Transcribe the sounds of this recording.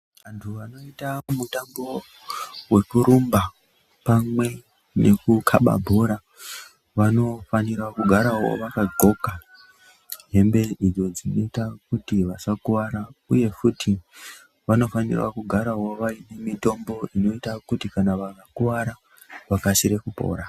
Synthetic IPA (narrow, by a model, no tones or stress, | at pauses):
ʋantʰuʋano̞itamutambo̞ | we̞kuɾumba | pamwe̞ | ne̞kukʰa̰ɓa̰bʱo̞ɾa | ʋano̞fanirakuɡʱaɾaɦo̞̰ʋakaɡʱo̞ka | ɦe̞mbe̞id͡zo̞d͡zino̞itakutiʋasakuwaɾauje̞futi | ʋano̞fanḭrwa̰kuɡʱaɾaɦo̞ʋaine̞mito̞mbo̞ʔino̞itakutikanaʋakakuwaɾa | ʋakaʃiɾe̞kupo̞̰ːɾa